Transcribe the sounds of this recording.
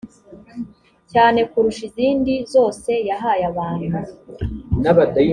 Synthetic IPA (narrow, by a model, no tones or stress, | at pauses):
caːne̞kuɾuʃiziːndizo̞ːse̞jaɦajaβaːnu | naβadai